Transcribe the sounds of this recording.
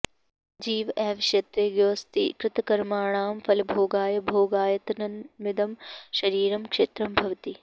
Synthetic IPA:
d͡ʒiːʋʔɛːʋɐʃjɐt̪ɾeːɡjoːst̪ḭkɾɪt̪ɐkɐɾmaːɳaːmpʰɐlbʱoːɡaːjɐbʱoːɡaːjɐt̪nɐnʋɪd̪ɐmʃɐɾiːɾɐmkʂeːt̪ɾɐmbʱɐʋɐt̪i

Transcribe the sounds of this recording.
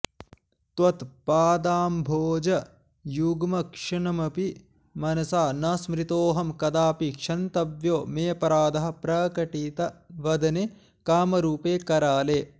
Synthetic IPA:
t̪ʋɐt̪paːd̪aːmbʱoːd͡ʒɐ | juɡmɐkʂɐɳɐmɐpi | mɐnɐsaːnɐsmɾit̪oːɦɐmkɐd̪aːpikʂɐnt̪ɐʋjoːmeːpɐɾaːd̪ɐɦɐ̆pɾɐkɐʈit̪ɐʋɐd̪ɐne | kaːmɐɾuːpeːkɐɾaːleː

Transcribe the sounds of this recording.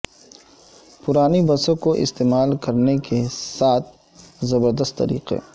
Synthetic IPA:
pʊɾaːnibɐsõkoʔɪ̰st̪eːmaːlkɐɾnekesaːt̪̚ʰ | zɐbəɾd̪əst̪ːɐ̰ɾḭːqḛ

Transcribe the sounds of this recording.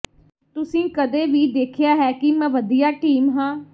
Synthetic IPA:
t̪ʊsĩːkəd̪eːʋiːd̪eːkʰɪjaːɦɛːkiməʋəd̪ijaːʈiːmɦãː

